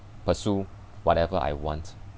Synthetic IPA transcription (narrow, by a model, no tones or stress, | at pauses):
pəsu | wɔtɛvəʔa̰jwɔ̃nt